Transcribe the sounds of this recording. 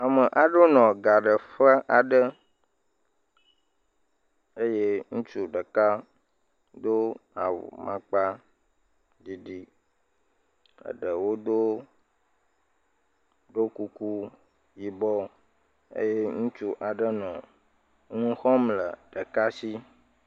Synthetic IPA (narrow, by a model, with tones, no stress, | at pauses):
a˨mə˨ʔa˨ɖo˦nɔ̃˨ɡa˨ɖə˨ɸə˦ʔa˨ɖə˦ | e˦je˦ŋũ˦t͡ʃu˦ɖə˨ka˦ | d̪o˦a˨wṵ˨mã̰˦k͡pa˦ | ɖi˨ɖi˦ | ə̰˨ɖə˨wo˦d̪o˦ | ɖo˦ku˦ku˦ | ji˨bɔ˦ | ḛ˦je˦ŋũ˦t͡ʃu˦ʔa˨ɖə˦nɔ̰̃˨˦ | nũ˦xɔ˦mlə̰˨ɖə˨ka˦si˦